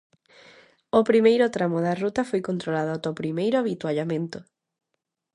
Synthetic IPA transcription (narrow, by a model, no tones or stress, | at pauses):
opɾimejɾot̪ɾamoðarut̪ɐfojkont̪ɾolaðoat̪opɾimejɾʊaβit̪waʎamẽnt̪o